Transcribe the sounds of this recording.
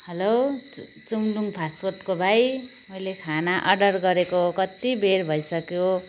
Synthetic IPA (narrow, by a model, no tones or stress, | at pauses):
hʌlo | t͡sumluŋpʰasorʈkobʱajmʌjlekʰanaʔʌɖʌrɡʌɾekoɦkʌt̪ibʱerbʱʌjsʌkjo